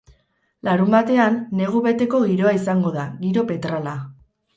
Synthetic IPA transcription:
laɾumbat̪e̞anːe̞ɣ̞uβe̞t̪e̞ko̞ɣiɾo̞aisaŋɡo̞ðaɣiɾo̞pe̞t̪ɾala

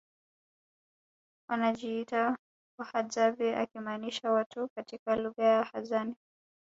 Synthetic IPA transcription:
wanaʄiita | kwahazaviʔa̰kimaːniʃawatukatikaluɣajahazani

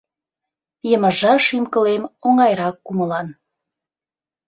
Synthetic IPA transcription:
jəməʒɑʃimkə̆lemoŋɑjɾɑkːuməlɑn

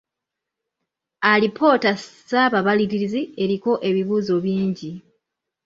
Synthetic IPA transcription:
alipʰo̞ːtasaβaβaliɾiɾizie̞ɾiko̞ʔe̞βiβuːzo̞βjiːɲɟi

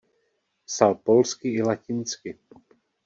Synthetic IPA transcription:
salpolskɪɪlacɪnt͡skɪ

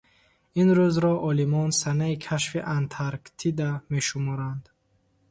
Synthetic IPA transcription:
inɾuzɾɔʔɔlimɔnsanaikʰaʃfiʔant̪ʰaɾkt̪ʰid̪ame̞ʃumɔɾand̪

